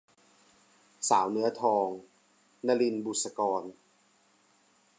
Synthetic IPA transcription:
saː˩˦wnɯ˦˥ɐt̪ʰɔː˧ŋ | na˧li˧nbu˨˩t̪̚sa˧kɔː˧n

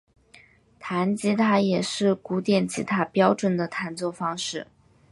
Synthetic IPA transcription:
t̪ʰa˧˥nt͡ɕi˧˥t̪ʰa˥jɛ˨˩ʂɻ̩˥˩ku˧˥t̪jɛ˨˩nt͡ɕi˧˥t̪ʰa˥pjɑ˥ʊʈ͡ʂwə˨˩nd̪ə˦t̪ʰa˧˥nt͡swɔ˥˩fɑ˥ŋʂɻ̩˥˩

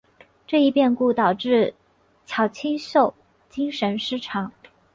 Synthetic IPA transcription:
ʈ͡ʂɤ˥˧i˥pjɛ˥˧nku˥˩t̪ɑ˨˩ʊʈ͡ʂɻ̩˥˩ | t͡ɕʰjɑ˨˩ʊt͡ɕʰi˥nɕo˥˩ʊ | t͡ɕi˥ŋʂə˧˥nʂɻ̩˥˩ʈ͡ʂʰɑ˨˩˦ŋ

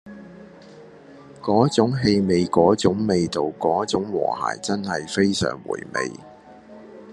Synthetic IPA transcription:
kɔː˨˥t͡sʊ˨˥ŋɦe˧jme˨jkɔː˨˥t͡sʊ˨˥ŋme˨jt̪o˨wkɔː˨˥t͡sʊ˨˥ŋwɔ̰ː˨˩ha̰ː˨˩jt͡sɐ˥nhɐ˨jfe˥jsœ̰ː˨˩ŋwṵː˨˩jmḛ˨˧j

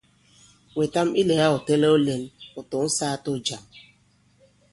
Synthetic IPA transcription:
we˨ta˦mi˦le˨ja˦ʊ˨te˦le˦o˦le˦nʊ˨tʊ˨n̩˦saː˦to˦d͡ʒa˨m

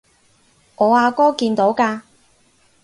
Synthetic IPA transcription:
ŋɔː˨˧aː˨˧kɔː˥kiː˧nt̪o˨˥wkaː˧

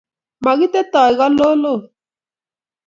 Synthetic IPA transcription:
ma˨ɣi˦t̪ɛ˦t̪ɔ˨i˨ɣa˦lo˦lo˦˨

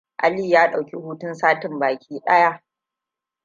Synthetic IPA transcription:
ʔa˦liː˦jaː˦ɗa˨wkʲi˦huː˦tʊ˦nsaː˦tɪ˨mbaː˨kʲiː˦ɗɐ˦ja˦ʔ

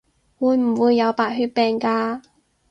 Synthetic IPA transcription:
wuː˨˧jm̩˨˩wuː˨˧jːɐ˨˧wpaː˨˩t̚ɦyː˧˥t̚pɛː˧ŋkaː˧

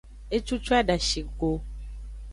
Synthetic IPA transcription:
e˦t͡ʃu˦t͡ʃu˦a˦ɖa˨ʃi˨ɡo˦

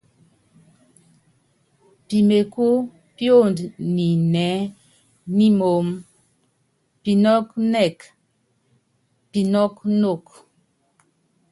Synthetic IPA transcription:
pi˨me˨ku˦ | pjo˦˨ndni˨nɛ˨˦ | ni˦mo˨m | pi˨nɔ˦knɛ˦˨k | pi˨nɔ˦kno˦˨k

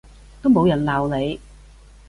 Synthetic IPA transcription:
t̪o˥wmo˨˧wjɐ˨˩nlaː˨˩wne˨˧j

